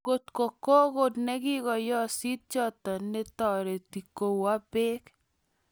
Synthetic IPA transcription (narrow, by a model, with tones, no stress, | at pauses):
ko˨t̪ko˨ko˦ko˦˨tnɛ˦ɡɪ˦kɔ˨jɔ˦si˦t̚t͡ʃɔ˦t̪ɔ˨ne˦t̪ɔ˨ɾe˨t̪i˨ko˨wa˦be˦k